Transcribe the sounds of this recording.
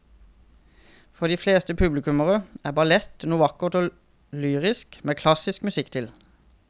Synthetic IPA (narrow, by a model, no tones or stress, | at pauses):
fɔʁd̪iːfleːst̪əpʰʉblɪkʉməʁəæːʁbɑlɛt̪nuːɑkʊʁt̪oː | lyːʁɪskmeːkʰlɑsɪskmʉsɪkt̪ʰɪl